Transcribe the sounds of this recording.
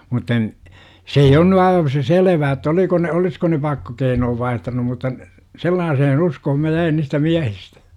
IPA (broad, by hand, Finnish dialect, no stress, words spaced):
mutːɑ n se ei on ny ɑiʋɑ se selʋæː etːæ oliko ne olisko ne pɑkːokeinoːʋ ʋɑihtɑnum mutːɑ n selːɑːsehen uskohom mæ jæin niːstæ miæhistæ̥